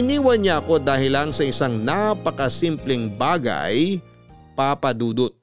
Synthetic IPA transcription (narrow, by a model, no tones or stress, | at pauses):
ɪniːwɐnɲaɐko̞d̪aːhɪlɐŋsɐʔɪsaŋnapɐkɐsimplɛŋbaːɡɐ̰j | papɐd̪uːd̪ot̪̚